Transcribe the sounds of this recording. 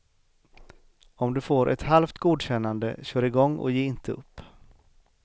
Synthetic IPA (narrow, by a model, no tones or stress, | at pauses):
ɔmd̪ɵfoːɾʔɛt̪halft̪ɡuːd̪ɕɛnːand̪ə̰ɕœːɾɪɡɔŋːɔ̰jeːɪnt̪ʰəɵ̰pː